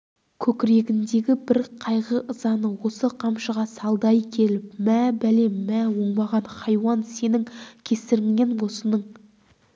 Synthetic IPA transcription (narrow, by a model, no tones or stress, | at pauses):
kʲʰɵkʲɪɾe̞ɡʲɪnd̪e̞ɡʲɪbɪɾqʰɑjʁəʔəzɑnəwo̞səqʰɑmʃəʁɑsɑlˠd̪ɑjkʲʰe̞lɪp̚mæbæle̞mːæwo̞ɴbɑʁɑnχɑjwɑnse̞nɪŋkʲʰe̞sɪɾɪŋːe̞nwo̞sənəɴ